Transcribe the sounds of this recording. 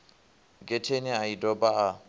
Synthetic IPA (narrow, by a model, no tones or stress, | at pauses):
ɡʼɛtʰeniaidɔbaa